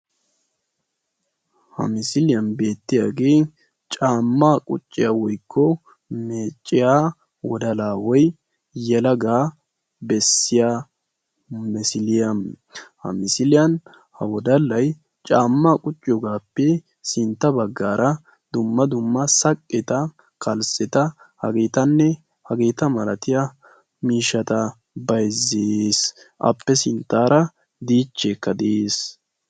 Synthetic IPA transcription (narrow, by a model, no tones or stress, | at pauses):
hɐ̰mɪsɪlɪjɐnbe̞ːt̪ːɪjaɡeː | t͡ʃʼaːmːaːkʼʊ̰t͡ʃʼːɪjaːwɔjkːɔ | meːt͡ʃʼːɪjaː | wɔd̪ɐlaːwɔj | jɛlɐɡaː | bɛsːɪjaː | mɪsɪlɪjɐn | hɐ̰mɪsɪlɪjɐn | hɐ̰wɔd̪ɐlːɐj | t͡ʃʼaːmːaːkʼʊt͡ʃʼːɪɔɡaːpːɛ | sɪnt̪ːɐbɐɡːaːɾɐ | d̪ʊmːɐd̪ʊmːɐsɐkʼːɛt̪ɐ | kɐlsɛt̪ɐ | hɐɡeːt̪ɐnːɛ | hɐɡe̞ːt̪ɐmɐlɐt̪ɪja | miːʃːɐt̪ɐ | bɐjzːes | ʔɐ̰pːɛsɪnt̪ːaːɾɐ | d̪iːt͡ʃːekːɐd̪eːs